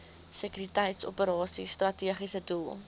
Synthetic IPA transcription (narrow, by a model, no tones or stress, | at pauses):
səkyɾitəjtso̰pəɾɑːsistrɐtiəχisədulˠ